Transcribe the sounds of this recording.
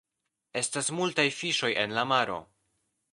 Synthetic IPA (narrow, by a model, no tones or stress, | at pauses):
e̞stasmultajfiʃo̞je̞̰nlamaɾo̞̰